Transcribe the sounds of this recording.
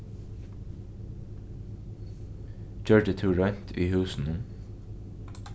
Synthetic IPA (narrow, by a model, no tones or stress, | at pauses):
çœɹɖət̪ʰʉːɹœn̥t̪ʰiːhʉːsn̩ə